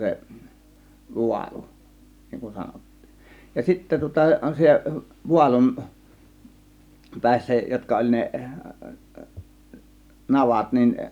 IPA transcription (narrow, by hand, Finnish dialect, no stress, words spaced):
se ʋuɑlu niŋ kun sɑnotːi̥ː jɑ sitːæ tŭŏtɑ se ʋuɑlum pæˑisːæ jotkɑ olʲ ne nɑʋɑt nin